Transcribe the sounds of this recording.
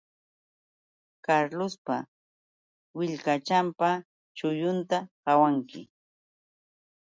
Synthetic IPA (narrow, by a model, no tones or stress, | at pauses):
kaɾlʊspa | wɪʎkat͡ʃampa | t͡ʃʊjʊnt̪akawaŋkɪ̰